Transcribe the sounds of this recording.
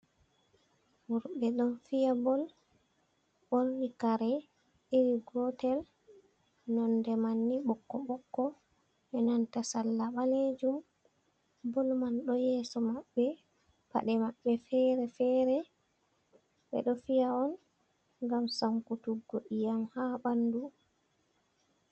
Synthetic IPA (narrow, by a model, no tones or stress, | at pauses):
muɾɓɛɗɔnfijabɔl | ɓoɾnikaɾɛ | ɗiɾiɡɔtɛl | nɔndɛmanːiɓɔkːɔɓɔkːɔ | ɛnantasalːaɓaled͡ʒum | bɔlmanɗɔjɛsɔmaɓːɛ | pa̰ɗɛmaɓːɛfɛɾɛfɛːɾɛ | ɓɛ̰ɗɔfijaɔn | ŋɡamsamkutuɡːoʔijamhabandu